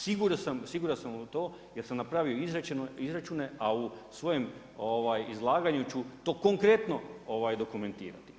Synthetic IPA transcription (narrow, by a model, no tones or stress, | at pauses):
siɡuɾasamsiɡuɾansamut̪o̞ː | jeɾsamnapɾaːʋio̞izɾat͡ʃenoizɾat͡ʃuːne̞ausʋo̞jem | oʋaːjizlˠaːɡaɲut͡ɕut̪o̞ːko̞ŋkɾe̞t̪no̞oʋaːjd̪o̞kume̞nt̪ḭːɾa̰t̪i̥